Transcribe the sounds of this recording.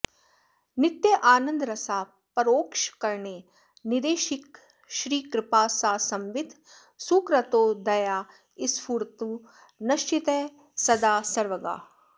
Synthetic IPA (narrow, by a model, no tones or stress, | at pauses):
nɪt̪jɐʔaːnə̃nd̪ɾɐsaː | pɐɾoːkʃkɐɾneː | nɪd̪eːʃɪk̚ | ʃɾiːkɾɪpaːsaːsɐ̃mʋɪd̪ʱ | sukɾɐt̪oːd̪ɐjaː | ɪspuɾt̪u | nɐʃt͡ʃɪt̪eː | sɐd̪aːsɐɾʋɐɡa̰ː